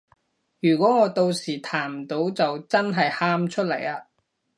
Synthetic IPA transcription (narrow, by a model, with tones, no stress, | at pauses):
jyː˨˩kʷɔː˨˥ŋɔː˨˧t̪o˧wsiː˨˩t̪ʰaː˨˩m̩˨˩t̪o˨˥wt͡sɐ˨wt͡sɐ˥nɦɐ˨jhaː˥mt͡ʃʰɵ˥t̚lɐ˨˩jaː˧